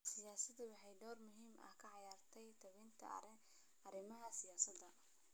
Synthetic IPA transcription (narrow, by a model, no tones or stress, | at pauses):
sɪjaːsɐd̪ɐwɑħɑjd̪ɔːrmʊɦiːmɐ̰hkʰɐʕɑjaːrt̪ʰɛjt̪ʰɐβint̪ʰɐ̰ | ɐɾɪmɐɦɐsɪjaːsɐd̪ɐ